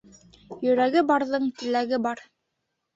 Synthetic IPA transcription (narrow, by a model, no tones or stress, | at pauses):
jɵ̆ɾæɡɘbɑɾðɤɴt̪ɘ̆læɡɘbɑɾ